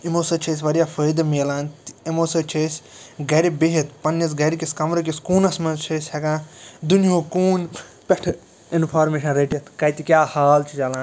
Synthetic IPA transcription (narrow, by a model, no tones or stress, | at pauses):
imoːsɐt͡ʃʰeːs̬ʲʋɐɾjaːfʰəːjd̪ɐmeːlãːnt̪imoːsɐt͡ʃʰeːsʲ | ɡɐɾibeɦit̪pɐnjɐs̬ɡɐɾikʲiskɐmɾɐkʲiskuːnɐsmɐt͡ʃʰesʲhekãːd̪unijoːkuːn | pʲeʈʰ | inpʰaːɾmeːʃɐnɾeːʈiɐt̪kɐjt̪ikʲjaːhaːlt͡ʃʰit͡ʃɐlãːn